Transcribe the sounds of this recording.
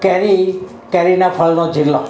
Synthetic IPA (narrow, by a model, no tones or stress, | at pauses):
kɛɾi | kɛɾinapʰəlnod͡ʒilːo